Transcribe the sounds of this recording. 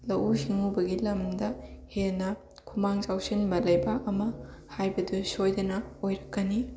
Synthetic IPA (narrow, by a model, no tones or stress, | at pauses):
lɐʔusiŋubɐɡilɐmdɐhenɐ | kʰumaŋt͡ʃawsinbɐlɐjbakɐmɐhajbɐdusojdɐnɐojɾɐkːɐni